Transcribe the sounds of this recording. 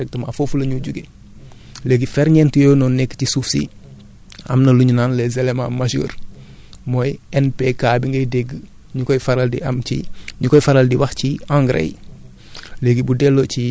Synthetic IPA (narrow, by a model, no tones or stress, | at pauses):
ɛk̚tɐma̰fofulɐɲuɟuɡe | leɡifɛɾɲɛntujoːnɔnekːcisufsḭ | ɐ̰mnɐluɲunaːnlezelemã̰ːmaʃə̰ːɾ | mɔjɛnpekaːbiŋɡɐjdeɡ | ɲukɔjfaɾaldḭʔɐmt͡ʃiɲukɔjfaɾaldiwɐxciãŋɡɾḛj | leɡibudelːoci